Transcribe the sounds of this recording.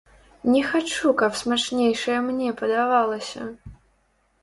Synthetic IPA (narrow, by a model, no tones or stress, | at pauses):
nʲɛxat͡ʂukapsmat͡ʂnʲejʂɐjɐmnʲɛpɐd̪avalˠɐsʲɐ̰